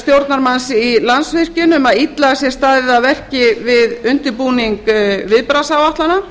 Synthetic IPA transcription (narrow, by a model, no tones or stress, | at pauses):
st̪jowɾt̪naɾmansɪilansvɪr̥cʏnʏmaðit̪laɣasjɛ̥st̪aːðɪðavɛr̥cɪvɪðʏn̥t̪ʏɾpuniŋkvɪðpɾasawaht̪lana